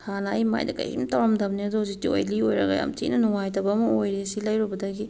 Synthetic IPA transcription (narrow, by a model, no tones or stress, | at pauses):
hanɐɐjma̰jdɐ̰kɐ̰jḭntawɾamdɐmniɐdɔzitio̰jliojɾɐɡɐ̰ja̰mtḭʔnɐnuŋajtɐbamɐojɾisilɐjɾubɐdɐɡi